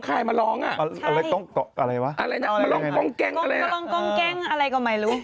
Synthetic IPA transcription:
kʰaː˧˩ma˧lɔː˦˥ŋʔa̰˨˩ʔma˧a˧la˦˧˥t̪ɔ˥˩ŋkɔ˨˩ʔʔa˧ɾa˧jwa˦˥ʔa˧ɾa˧ja˧˨˧ma˧lɔ˦a˧kɔ˧˩ŋkɛ˧˩ŋʔa˧ɾa˧ja˧˨lɔː˦˥ŋkɔ˧˩ŋkɛ˧˩ŋʔa˧ɾa˧jkɔː˧˩ma˧˩jɾuː˦˥

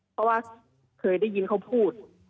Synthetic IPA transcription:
pʰɔ˧˥waː˧ | kʰɤː˧jda˥˩ji˧nkʰa˥˩wpʰuː˥˩t̪̚

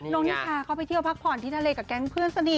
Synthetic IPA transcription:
noː˧˥ŋniː˦˥t̪ʰaː˧kʰaː˧˥˩pa˧˨jt̪ʰi˥˩əwpʰa˦˥k̚pʰɔː˨˩nt̪ʰiː˥˩t̪ʰa˧leː˧ka˨˩kɛː˧˥npʰɯ˥˩ənsa˧ni˨˩

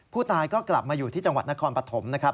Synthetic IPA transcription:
pʰuː˥˩t̪aː˧jkɔː˥˩kla̰˨˩p̚maː˧juː˨˩iː˥˩t͡ɕa˧ŋwa˨˩t̪̚na˥kʰɔː˧npɾa˧t̪ʰo˩˦mna˦˥kʰɾa˦˥p̚

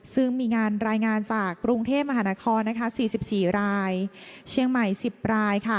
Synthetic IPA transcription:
sɯ˥˩ŋmiː˧ŋaː˧nɾaː˧jŋaː˧nt͡ɕaː˨˩kːɾu˧ŋt̪ʰeː˥˩p̚ma˧ɦaː˩˦naː˦˥kʰɔː˧nːa˦˥kʰa˦˥siː˨˩si˨˩p̚siː˨˩ɾaː˧jt͡ɕʰi˧əŋma˨˩jsi˨˩p̚ɾaː˧jkʰa˥˩

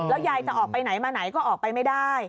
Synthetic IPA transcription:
lɛː˦˥wjaː˧˩jt͡ɕa˨˩ʔɔː˨˩k̚pa˧jna˩˦jmaː˧na˩˦jkɔː˥˩ʔɔː˨˩k̚pa˧jma˥˩jdaː˥˩j

